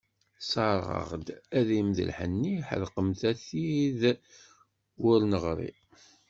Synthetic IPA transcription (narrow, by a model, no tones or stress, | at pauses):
sɑɾˤʁə̰ʁd̪æðimðə̰lħənːiħə̰lqəmθæθið | wʊɾnəʁɾˤḭ